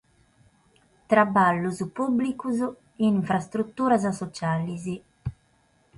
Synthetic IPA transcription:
t̪ɾabalːuzpublikuz | iiɱfɾast̪ɾut̪ːuːɾazasɔt͡ʃalizi

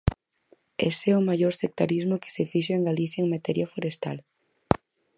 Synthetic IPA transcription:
ḛsɛʊmajoɾsek̚t̪aɾizmoke̥sefiʃoeŋɡaliθjaeŋmat̪ɛɾjafoɾest̪al

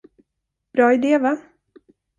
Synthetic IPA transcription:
b̥ɾɑːɪd̪eːva

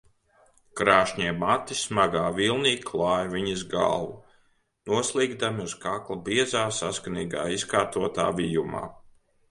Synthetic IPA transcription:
kɾaːʃɲɛɛmat̪ːismaɡaːvilˠniːkʰlˠaːjviɲizɡa̰lˠvu | nuɔslˠiːɡd̪amiuzkaklˠabiɛzaːsaskaniːɡa̰ːiskaːɾt̪uɔt̪a̰ːvijuma̰ː

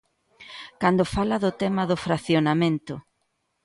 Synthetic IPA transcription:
kand̪ʊfalɐðʊt̪ɛmɐðʊfɾaθjonamẽnt̪ʊ

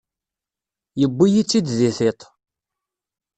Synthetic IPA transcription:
jəbːijit͡sːid̪ziθɪt̪ˤ

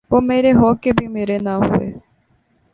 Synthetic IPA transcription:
ʋoːmeːɾeɦoːkebʱimeːɾenaɦʊ̰ḛː

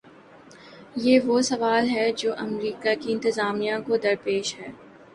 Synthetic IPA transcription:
jeːʋosɐʋaːlɦɛd͡ʒoːʔɐmɾiːkakiɪ̃nt̪ɪzaːmijãkod̪ɐɾpeːʃɦɛː

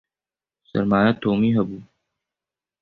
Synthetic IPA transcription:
sɐ̰ɾmaːjat̪oːmiɦɐbuː

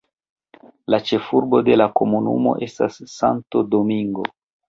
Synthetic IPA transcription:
lat͡ʃe̞fuɾbo̞de̞lako̞munṵmo̞̰ʔe̞stasːa̰ntodomiŋɡo̞̰

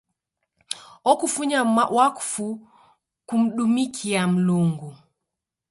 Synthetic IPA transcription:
ɔkufuɲawaku̥fu | kum̩ɗumikʰiam̩luŋɡu

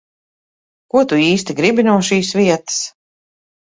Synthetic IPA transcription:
kuɔt̪uiːst̪iɡɾibinuɔʃiːsviɛt̪ɨ̥s

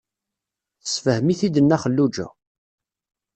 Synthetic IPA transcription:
θə̥sfəhəmiθid̪ənːæχəlːud͡ʒæ̰

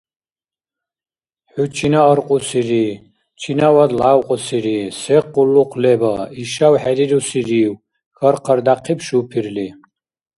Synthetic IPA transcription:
ħut͡ʃʰinaəɾqʼusiɾi | t͡ʃʰinawad̪lawqʼɔsiɾisɛqulːuqʷʰlɛbaiʃawħɛɾiɾusiɾiw | xəɾqʰərd̪aqʰipʰʃupʰirli

